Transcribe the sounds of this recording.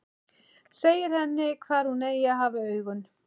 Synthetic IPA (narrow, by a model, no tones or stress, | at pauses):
seːjɪɾ̥hɛnːɪkʰvaːɾ̥hunejaɦaːvaœːɥɣʏn